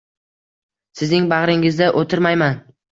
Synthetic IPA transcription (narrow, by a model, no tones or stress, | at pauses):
sɪznɪŋbaʁɾɪŋɪzd̪aʔot̪ʰɪɾmajman